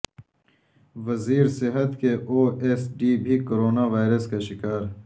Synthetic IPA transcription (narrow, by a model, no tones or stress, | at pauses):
ʋɐziːɾsɪɦɐt̪keʔoːesɖiːbʱikoɾoːnaʋaːjɾɐskaʃɪkaːɾ